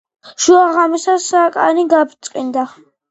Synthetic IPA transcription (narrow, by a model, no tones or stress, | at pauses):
ʃuaʁamisasakʼa̰niɡapʰt̪sʼqʼind̪a